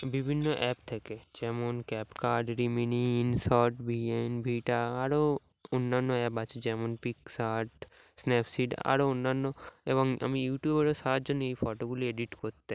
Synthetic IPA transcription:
bibʱinːoʔɛːp̚t̪ʰɛked͡ʒɛːmonkɛːpkaɾɖɾiminiinsɔɾʈbienbʱiʈaaɾo | ʊnːanːoɛːpat͡ʃʰed͡ʒɛːmunpiksaʈ | snɛpʰsiʈa̰ɾoʊnːanːoḛbɔŋə̰mĩjuːʈjubeɾosad͡ʒoneipʰɔʈobulieɖiʈkɔɾt̪ːe

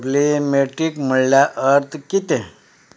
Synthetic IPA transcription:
blimeʈɾikm̤əɭljaʔəɾt̪ʰkit̪ẽ

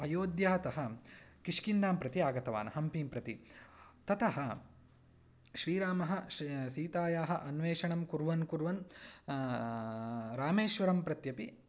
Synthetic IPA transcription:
ɐjoːd̪jaːɐt̪ɐɦɐkiʂkind̪aːmpɾɐt̪iaːɡɐt̪ɐʋa̰ːnɐɦɐmpiːmpɾɐt̪it̪ɐt̪ɐɦɐ | ʃɾiːɾaːmɐɦɐʃiːt̪aːjaːɦɐʔɐnʋeːʂɐɳɐmkuɾʋɐnkuɾʋɐn | ɾaːmeːʃʋɐɾɐmpɾɐt̪jɐpi

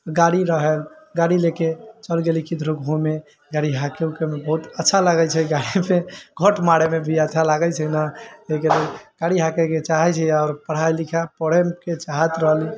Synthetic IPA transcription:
ɡaɽiɾəɦəlɡaɽileket͡ʃəlɡelikid̪ʱɾokɦume | ɡaɽiɦãkeukemebəɦut̪ətːʃʰalaɡət͡ʃʰɛiɡaɽimeɡʱəʈmaɽemebʱiətːt͡ʃʰalaɡət͡ʃʰɛnaekeləɡ̥aɽiɦãkɛket͡ʃaɦɛt͡ʃʰɛɔːɾpəɽ̤ajlikʰapəɽəmket͡ʃaɦət̪ɾəɦli

